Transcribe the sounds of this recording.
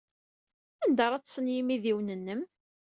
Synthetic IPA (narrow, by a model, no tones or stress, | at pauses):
ænd̪əɾˤɑt͡sːsənjimiðiwnənːəm